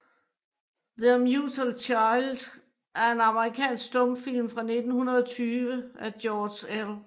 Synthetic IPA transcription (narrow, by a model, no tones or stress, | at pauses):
ðemjusəlt͡ɕʰɑ̈ɪld̥ | ʔæɐe̝nɑ̈məʁikʰɛ̰ːnsɡ̥̚d̥ɔ̽m̰fil̰mfʁɑ̈ne̝d̥n̩hunɐð̞ˠɒ̽t͡sʰyːʋəʔæd̥jɒːd̥el